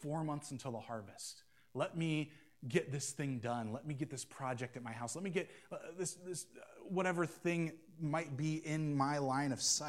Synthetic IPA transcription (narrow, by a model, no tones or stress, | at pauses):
fɔɹmʌ̃nθsn̩tʰɪlˠðəhɑɹvɨst̚ | lɛt̚mi | ɡɛt̪̚ðɪsθɪ̃ŋdʌ̃nlɛt̚miɡɛt̪̚ðɪspʰɹ̥ɑd͡ʒɛk̚tɨt̚maɪɦaʊslɛt̚miɡɛt̪̚ðɪsðɪswʌɾɛvə˞θɪ̃ŋ | maɪt̚b̥iɪ̃nmaɪlãɪ̃ñʌv̥sa